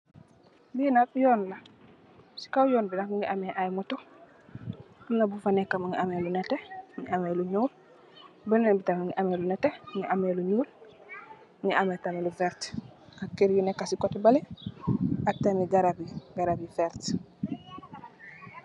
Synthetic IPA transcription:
binakjɔːnla | si̥kawjɔːnbinakmiŋɡiʔameʔajmuto | biŋabufanekːamŋiʔameluneteŋiameluɲuːl | bənenbitamiŋiʔamelunɛteŋiʔameluɲuːl | ŋiʔametamilufɛɾtakːeɾjunekːasikotbale | atamiɡaɾabiɡaɾabifɛɾt

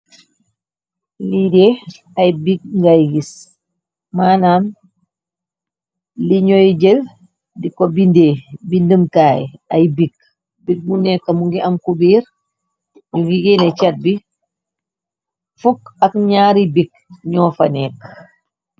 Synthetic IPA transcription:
lide | ɐjbik̚ŋɡajɡis | maːnaːm | liɲɔjɟel | dikobindeːbindəmkaːjɐjbiɡ̚ | bik̚munɛkːɐmuŋɡiʔɐmkubiːɾ | ɲuɡiɡɛnɛt͡ʃat̚bi | fukɐk̚ɲaːɾibik̚ | ɲɔːfɐ̰nɛːk

